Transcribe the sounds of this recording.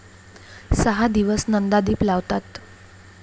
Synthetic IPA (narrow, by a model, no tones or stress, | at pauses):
səɦad̪iʋəsnənd̪ad̪iːplaʋt̪at̪